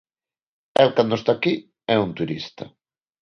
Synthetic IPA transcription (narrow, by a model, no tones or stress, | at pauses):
ɛlkand̪ost̪aki | ɛunt̪uɾist̪ɐ̰